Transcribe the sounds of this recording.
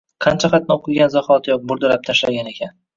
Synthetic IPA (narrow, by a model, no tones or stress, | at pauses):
qʰɑnt͡ʃʰaχɑt̪nɪoqʰɨɡʲanzaχɒt̪jɒq̚bʊɾd̪ʊɾap̚t̪ʰaʃlaaɡʲane̞kʲʰan